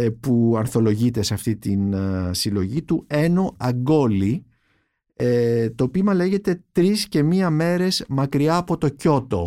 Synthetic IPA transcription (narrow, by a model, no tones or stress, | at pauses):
puɐnθo̞lo̞ʝit̪e̞sɐft̪it̪insilo̞ʝit̪ue̞no̞ɐɡo̞li | t̪opimɐle̞ʝe̞t̪e̞t̪ɾisce̞miɐme̞ɾe̞zmɐkɾiɐːpo̞t̪o̞co̞t̪o̞̰